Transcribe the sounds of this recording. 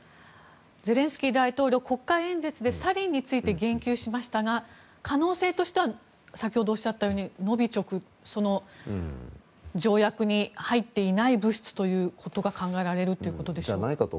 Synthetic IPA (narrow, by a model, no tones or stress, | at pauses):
ze̞ɾẽ̞ɰ̃sɨ̥kʲiːd̪ait̪o̞ːɾʲo̞ːko̞kːaẽ̞nze̞t͡sɨd̪e̞saɾʲĩɲ̟ːit͡sɨit̪e̞ɡẽ̞ŋkʲɨːɕimaɕi̥t̪aɡa | kʰano̞ːse̞ːt̪o̞ɕi̥t̪e̞βa | sakʲiho̞d̪oːɕi̥at̪ːajo̞ːɲ̟ino̞bʲit͡ɕo̞kɯ̟ | so̞no̞ | d͡ʑo̞ːjakɯ̟ɲ̟ihait̪ːe̞inaibɯ̟ɕi̥t͡sɨ̥t̪o̞jɯ̟ːkʰo̞t̪o̞ɡakãŋɡaeɾaɾe̞ɾɯ̟t̪oiɯ̟ko̞t̪o̞d̪e̞ɕoanaikat̪o